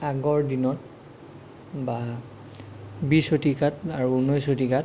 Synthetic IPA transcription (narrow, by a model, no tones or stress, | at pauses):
aɡɔɹdinɔt̚ | ba | bisotikataɹuunojsotikat